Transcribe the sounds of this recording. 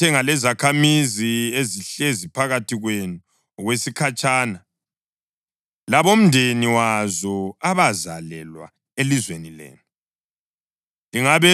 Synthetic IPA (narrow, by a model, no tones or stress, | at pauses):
ɛŋalɛzakʰamizieziɬezipʰaɣatʰiɣwenu | ɣwesikʰat͡ʃʼaːna | laβom̩ndʱeniwazɔaβaza̰lɛlwa̰ | elizwenilḛːnu | liŋaβɛ